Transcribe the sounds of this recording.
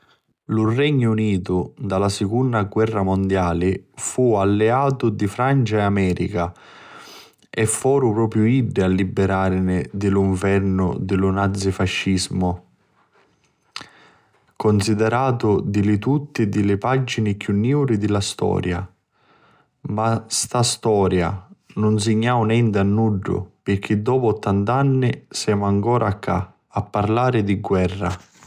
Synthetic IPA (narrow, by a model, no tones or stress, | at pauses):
lʊrɛɲːʊuniːt̪ʊd̪alasɪkunːaɡwɛrːamond̪jaːlɪfualːɛaːt̪ʊd̪ifɾant͡ʃaɛamɛːɾḭka | ɛfːɔːɾʊpɾɔːpɾjʊiɖːɪalːibːɛɾaːɾnɪd̪ɪliɱvɛrnʊ̰d̪ɪlʊnad̪zːifaʃːizmʊ | kʊnsid̪ɛɾaːt̪ʊd̪ɪlɪt̪ut̪ːɪd̪ɪlɪpad͡ʒinɪkjunːɛwɾɪd̪ɪlast̪ɔ̰ːɾja | mast̪ast̪ɔːɾja̰nʊns̬ɪɲːaːwnɛnt̪ɪanːuɖːʊ̰pɪrk̟ːid̪ːɔːpʊɔt̪ːant̪anːɪsɛːmʊaŋkɔːɾʔakʰːa̰ | apːarlaːɾɪd̪iɡwɛrːa̰